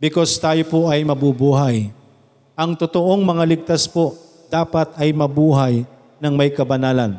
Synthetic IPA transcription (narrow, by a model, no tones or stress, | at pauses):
bɪko̞st̪aːjopoʔɐjmɐbubuːɦɐj | ʔɐŋt̪ot̪o̞ʔo̞ŋmɐŋalɪɡ̚t̪aspo̞ʔ | d̪̥aːpɐt̪̚ɐjmɐbuːɦɐj | nɐŋmɐjkɐbɐnaːlɐn